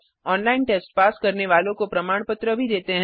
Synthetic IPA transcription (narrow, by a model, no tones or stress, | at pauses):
ɔːnlaːɪnʈeːsʈ̚paːskɐɾneʋaːlõkopɾɐmaːɽ̃pət̪ɾəbʱid̪eːt̪eɦɛ̃